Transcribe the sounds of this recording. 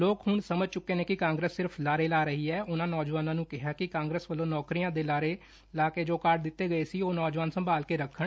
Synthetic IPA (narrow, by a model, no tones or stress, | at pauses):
loːkɦʊɳsəməd͡ʒt͡ʃʊkːeːneːkɪkãːŋɡɾesːɪɾpʰlaːɾeːlaːɾəɦiːɛːʔʊnãːnɔːd͡ʒʋaːnãːnũːkɪɦaːkɪkãːŋɡɾəːsʋəlːõːnɔːkɾijãːd̪eːlaːɾeː | laːkeːd͡ʒoːkaɾʈ̚d̪ɪt̪ːeːɡəeːsiːoːnɔːd͡ʒʋaːnsəmbaːlkeːɾəkʰːəɳ